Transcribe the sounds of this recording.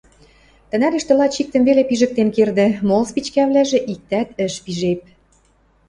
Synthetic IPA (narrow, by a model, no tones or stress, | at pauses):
t̪ə̆næd̪ə̆ʃt̪ə̆lɑt͡ɕik̚t̪ə̆mvelepiʒə̆k̚t̪emkerd̪ĕmolspit͡ɕkæβlæʒĕʔik̚t̪æt̪ə̆ʃpiʒep̚